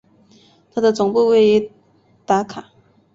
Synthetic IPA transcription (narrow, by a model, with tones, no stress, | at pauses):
t̪ʰa˥d̪ə˨t͡sʊ˨˩ŋpu˥˧we˥˩ɪi˧˥ | t̪a˧˥kʰa˨˩˦